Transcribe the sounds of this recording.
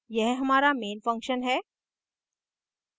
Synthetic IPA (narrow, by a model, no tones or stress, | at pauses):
jɛɦɦəmaːɾameːnfə̃ŋkʃənɦɛː